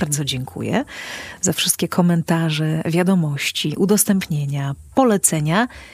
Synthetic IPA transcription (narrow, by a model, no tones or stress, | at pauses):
ɾd̪zɔd͡ʑɛŋkʰṵjɛ̰zafʂɨst̪̚kʲɛkʰɔmɛnt̪aʐɛvʲjad̪ɔmɔɕt͡ɕiʔud̪ɔst̪ɛmpɲeɲapɔlɛt̪sɛɲa